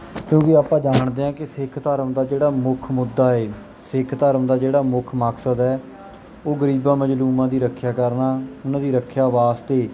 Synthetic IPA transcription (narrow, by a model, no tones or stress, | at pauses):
kjõːkɪaːpãːd͡ʒaːɳd̪eːãːkɪsɪkʰt̪əɾəmd̪aːd͡ʒeːɽaːmʊkʰmʊd̪ːaːeː | sɪkʰt̪əɾəmd̪aːd͡ʒeːɽaːmʊkʰmaːksəd̪ɦɛː | oːɡəɾiːbãːməd͡ʒluːmãːd̪iːɾəkʰːjaːkəɾnaːʊnãːd̪iːɾəkʰːjaːʋaːst̪eː